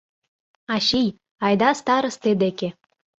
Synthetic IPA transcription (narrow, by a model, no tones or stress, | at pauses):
ɑɕij | ɑjd̪ɑst̪ɑɾə̆st̪ed̪eke